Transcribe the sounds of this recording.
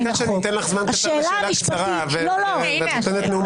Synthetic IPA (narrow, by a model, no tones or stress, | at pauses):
aʃent̪enlaχzmankaaʃeːlalamikʃaʁa | velolo | ot̪enet̪meum